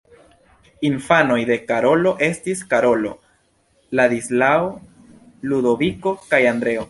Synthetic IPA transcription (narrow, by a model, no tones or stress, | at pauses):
infano̞jd̪e̞kaɾo̞lo̞ʔe̞stiskaɾo̞lo̞ | lad̪islao | lud̪o̞viko̞kajand̪ɾe̞o